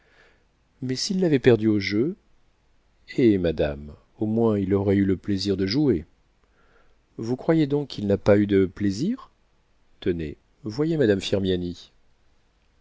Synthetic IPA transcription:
mɛsilːavɛpɛʁd̪yoʒø | emad̪a̰m | omwɛ̃ilɔʁɛyləpleziʁd̪əʒue | vukχwajed̪ɔ̃kːʰilnapayd̪əpleziʁ | t̪ənḛ | vwajemad̪amfiʁmjani

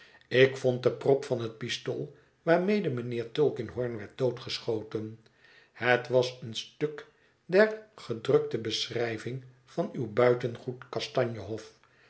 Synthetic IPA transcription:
ɪkfɔnt̚dəprɔpfɑnɦət̚pisto̰lˠ | ʋaːɹmejdəmənɪːɹtølˠkɪnɦɔɹnʋɛɹt̚d̥owtχəsχowtən | hətʋɑsənstøk | dɛrχədrɵk̚təbəsrɛjvɪŋ | vɑnywbœɥtənχutkɑstɑɲjəɦɔf

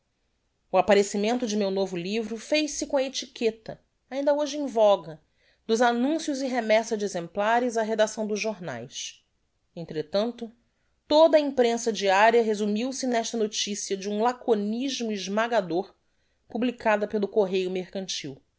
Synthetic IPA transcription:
ʊapaɾesimẽnt̪ʊd͡ʒɪmewnovʊlivɾʊfejʃsɪkõɐet͡ʃiket̪ɐ | aĩnd̪ɐoʒɪĩvɔɡɐ | d̪ʊzanũsjʊzɪɦemɛsɐd͡ʒɪezẽmplaɾɪzɐɦed̪asɐ̃w̃d̪ʊzʒoɾna̰js | ẽnt̪ɾet̪ɐ̃nt̪ʊ | t̪od̪ɐĩpɾẽsɐd͡ʒiaɾjɐɦezumiwsɪnɛʃt̪ɐnot͡ʃisiɐd͡ʒɪũlakoniʒmʊiʒmaɡad̪oɾ | publikad̪ɐpelʊkoɦejʊmeɾkɐ̃nt͡ʃiw

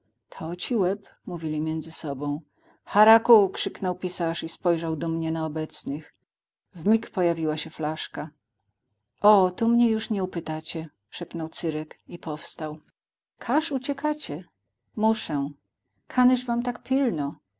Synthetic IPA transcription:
t̪ʰɔt͡ɕiwɛp | muvʲilʲimʲjɛnd̪zɘsɔbɔ̃w̃ | xaɾakukʂɘknɔwpʲisaʂispɔjʐawd̪ɔmɲɛnaɔbɛt̪snɘx | vmʲikpɔjavʲiwaɕɛflaʂka | ʔɔt̪umɲɛjuʂɲɛupɘt̪at͡ɕɛ | ʂɛpnɔwt̪sɘɾɛkipɔfst̪aw | kʰaʂut͡ɕɛkʰat͡ɕɛ | muʂɛ̃ | kʰanɛʐvamt̪akpʲilnɔ

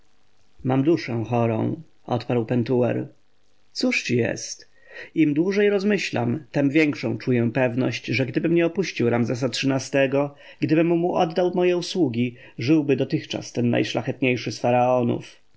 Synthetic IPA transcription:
mamd̪uʂɛw̃xɔɾɔ̰̃w̃ | ʔɔ̰t̪paɾwpɛnt̪uɛ̰ɾ | t̪suʂt͡ɕijɛ̰st̪ | imd̪wuʐɛjɾɔzmɘɕla̰mt̪ɛmvʲjɛŋkʂɔ̃w̃t͡ʂujɛ̃pɛvnɔ̰ɕt͡ɕʐɛɡd̪ɘbɘmɲɛɔpuɕt͡ɕiwɾamzɛs̬atʂɘnast̪ɛɡɔ | ɡd̪ɘbɘmːumuʔɔd̪ːawmɔjɛuswuɡʲi | ʐɘwbɘd̪ɔt̪ɘxt͡ʂa̰st̪ɛnːa̰jʂlaxɛt̪ɲejʂɘsfaɾaɔnṵf

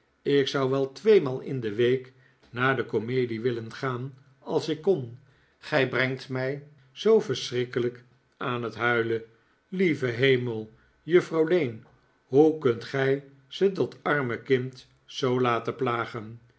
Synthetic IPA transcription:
ɪksɑwʋɛlˠtʋejmaːlˠɪ̰ndəʋejk | naːɹdəkomejdiʋɪlənχaːn | ɑlˠsɪkːɔn | χɛjbrɛŋtmɛj | z̥owvəɹsrɪkələk | aːnətɦœɥlə | livəɦejməlˠ | jɵfrɑwlejn | ɦukɵntχɛj | z̥ədɑtɑɹməkɪnt | zowlaːtəplaːχən

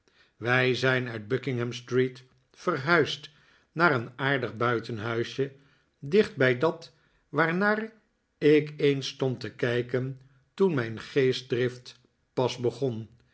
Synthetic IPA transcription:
ʋɛjzɛjnœɥd̚bɵkɪŋɦɛmstrit | fərɦœɥst | naːɾənaːɹdəχbœɥtənɦœɥʃjə | dɪχd̚bɛjdɑt | ʋaːɹnaːr | ɪkejnstɔntəkɛjkən | tunmɛjnχejs̚drɪft | pɑzbəχɔn

